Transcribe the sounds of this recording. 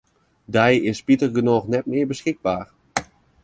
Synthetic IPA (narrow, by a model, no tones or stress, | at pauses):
dɛjɪspitərɡənoːxnɛt̚mɪːɹbəsxɪɡ̚baːɹ